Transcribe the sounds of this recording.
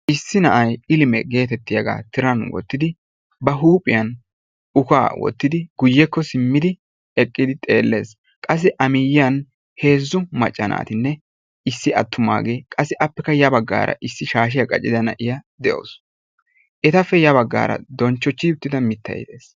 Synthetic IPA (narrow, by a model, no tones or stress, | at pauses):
ʔɪsːɪnɐʔɐjɪlɪmɛɡe̞ːt̪ɛt̪ːɪjɐɡa̰ːt̪ɪɾɐnwɔ̰t̪ːɪd̪ɪ | bɐɦuːpʼːɪjɐn | ʊka̰ːwɔ̰t̪ːɪd̪ɪɡ̥ʊjːɛkːɔsɪmːɪd̪ɪ | ɛkʼːɪd̪ɪt̪ʼe̞ːlːe̞ːs | kʼɐs̬ːɛʔɐmɪjɪjɐn | he̞ːzːʊmɐt͡ʃʼːɐnʔa̰ːt̪ɪnːɛ | ɪsːɪɐt̪ːʊma̰ːɡe̞ːkʼɐsːɛʔɐpːɛkːɐjɐbɐɡːa̰ːɾɐ̰ʔɪsːɪʃaːʃ̬ɪjɐkʼɐt͡ʃʼːɪd̪ɐnɐ̰ʔɪjɐd̪ɛʔo̰ːs | ʔɛt̪ɐfːɛjɐbɐɡːa̰ːɾɐ̰d̪ɔnt͡ʃːɔt͡ʃːɪʊt̪ːɪd̪ɐmɪt̪ːɐ̰jɪd̪e̞̰ːs